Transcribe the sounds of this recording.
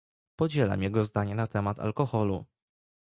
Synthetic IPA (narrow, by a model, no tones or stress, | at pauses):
pɔd͡ʑɛla̰mjɛɡɔzd̪aɲɛnat̪ɛmat̪ʰa̰lkɔxɔlṵ